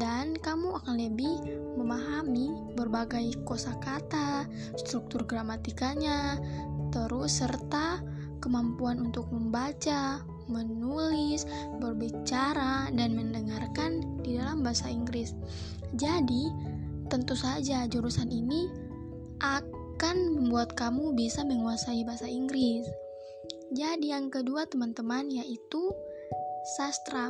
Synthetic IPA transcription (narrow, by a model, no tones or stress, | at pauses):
dankamuakanləbih | məmaɦami | bərbaɡajkosakat̪a | st̪ɾuk̚t̪ʊrɡɾamat̪ikaɲat̪əɾʊsːərt̪a | kəmampuanunt̪ʊk̚məmbat͡ʃa | mənulɪs | bərbit͡ʃaɾadanməndəŋarkandidalambaɦasaiŋɡɾɪs | d͡ʒadit̪ənt̪usad͡ʒad͡ʒuɾusanini | ʔa | kanməmbuat̪kamubisaməŋuasaibaasaiŋɡɾɪs | d͡ʒadijaŋkəduat̪əmant̪əmanjaʔit̪u | sast̪ɾa